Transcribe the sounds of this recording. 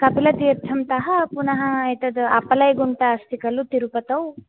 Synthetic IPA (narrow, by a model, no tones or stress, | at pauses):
kɐpilɐt̪iːɾt̪ʰːɐmt̪ɐɦɐpunɐɦɐːjt̪ɐd̪ɐpɐlɐjɡuɳʈɐːst̪ikɐlut̪iɾupɐt̪ɐw